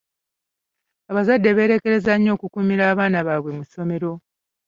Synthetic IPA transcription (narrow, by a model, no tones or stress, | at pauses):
aβazadːe̞βe̞ːɾe̞ke̞ɾe̞zaɲːo̞ːkukuːmiɾaːβaːnaβaːβwe̞muso̞me̞ɾo̞